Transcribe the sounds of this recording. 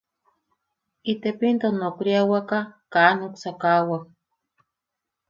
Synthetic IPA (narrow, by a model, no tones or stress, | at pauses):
it̪epint̪onokɾiawakakaːnoksakawak̚